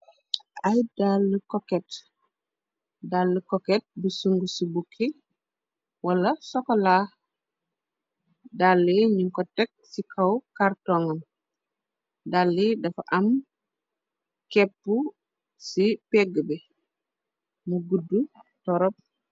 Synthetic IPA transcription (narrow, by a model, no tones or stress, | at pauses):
ʔajdalːəkɔkɛt | dalːəkɔkɛt̚busuŋɡusibukʰːi | walɐsɔkɔla | dalːiɲiŋkɔtːɛk̚sikʰawkartɔŋan | dalːidɐfaʔɐm | kɛpːu | sipɛɡəbɛ | muɡudːutɔɾɔp̚